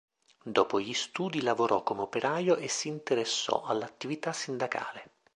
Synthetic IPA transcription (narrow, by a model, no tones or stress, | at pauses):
d̪ɔːpoʎist̪uːd̪ilavoɾʔɔkːomeopeɾaːjoʔesːiːnt̪eɾesːɔ̰ʔalːat̪ːivit̪asːind̪aka̰ːle